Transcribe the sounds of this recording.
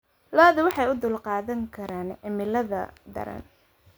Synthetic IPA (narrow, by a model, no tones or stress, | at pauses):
laːðʊwɑħɑjʊd̪ʊːlqɑːðɐŋkʰɐɾaːnʕɪmɪlɐðɐ̰d̪ɐ̰ɾɐ̰n